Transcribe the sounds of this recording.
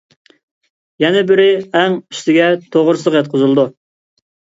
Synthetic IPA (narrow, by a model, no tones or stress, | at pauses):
jɛnɛbɪɾɪɛŋyst̪ɪɡʲɛt̪ʰoʁɾslˠəqjɛt̪̚qʰʊzɨlˠd̪u